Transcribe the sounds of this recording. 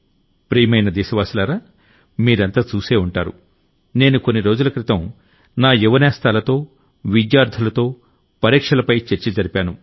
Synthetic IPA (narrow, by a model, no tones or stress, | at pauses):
pɾiːmɐjnɐd̪ɛːʃɐʋaːsilaːɾaː | miːɾɐnt̪aːt͡ʃuːse̞ːuɳʈaːɾṵ | neːnuko̞nːiɾo̞ːd͡ʒulɐkɾit̪ɐm | naːjuʋɐnɛːst̪aːlɐt̪o̞ː | ʋid̪jaːɾd̪ʱɐlɐt̪o̞ː | pɐɾiːkʂɐlɐpɐjt͡ʃeɾt͡ʃid͡ʒɐɾipʲaːnu